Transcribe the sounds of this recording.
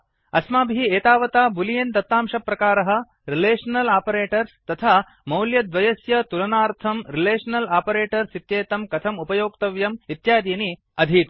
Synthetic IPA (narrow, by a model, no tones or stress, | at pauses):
ɐsmaːbʱiieːt̪aːʋɐt̪aːbulijent̪ɐt̪ːaːmʃɐpɾɐkaːɾɐɦɐ̆ | ɾileːʂɐnɐlaːpɐɾeːʈɐɾst̪ɐt̪ʰaː | mɐwljɐd̪ʋɐjɐsjɐt̪ulɐnaːɾt̪ʰɐmɾileːʂɐnɐlaːpɐɾeːʈɐɾsit̪jeːt̪ɐmkɐt̪ʰɐmupɐjoːkt̪ɐʋjɐmit̪jaːd̪iːni | ɐd̪ʱit̪